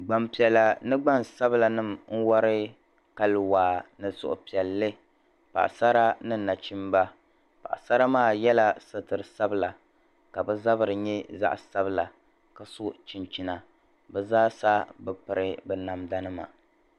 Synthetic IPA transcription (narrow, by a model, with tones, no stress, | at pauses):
ɡ͡ba˨mpi˨ɛ˨la˨nɨ˦ɡ͡ba˦˨nsa˦bɨ˦la˨nɨ˦˨mŋ̩˦wɔ˦ɾɨ˦ | ka˦lwaː˨nɨ˨sʊ̰˨ʔʊ̰˨pi˨ɛ˨lːɨ˦ | pa̰˨ʔsa˦ɾa˦nɨ˦˨na˨t͡ʃi˦mba˦ | pa̰˨ʔsa˦ɾa˦maː˦˨jɛ˦la˦sɨ˦tɨ˨ɾɨ˨sa˦bɨ˦la˨ | ka˨bɛ˦za˦bɨ˦ɾɨ˨ɲɛ˦za̰˦ʔsa˦bɨ˦la˨ | ka˨sʊ˦ʔt͡ʃi˨nt͡ʃi˨na˨ | bɛ˦zaː˦sa˦bɛ˦pɨ˨ɾɨ˦bɛ˨na˨mda˦nɨ˦ma̰˨